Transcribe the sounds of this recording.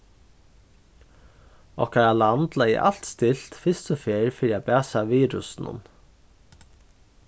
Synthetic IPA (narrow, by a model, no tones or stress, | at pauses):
ɔ̰hkaɾalant̪lajɪ̰ʔa̰l̥t̪st̪ɪl̥t̪fɪst̪ɔfeːɾfɪɾɪapæːsaʋiːɾʊsnʊ̰n